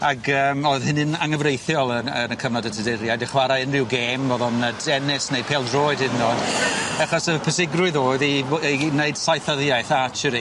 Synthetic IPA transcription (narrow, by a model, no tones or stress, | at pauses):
aɡəːmoɨð̥hɪnɪnaŋəvrejθjɔlˠəənəkʰəvnɔdətʰədɛɾjajdɛχwaɾaɪnrɪwɡeːmɔðɔnadɛnɪsnejd̚pʰeːlˠdroːɨd̥ɪnnɔd̥aχɔsəpʰəsɪɡrʊɨðoːðineɨd̥sajθəðjajθat͡ʃʰəɾi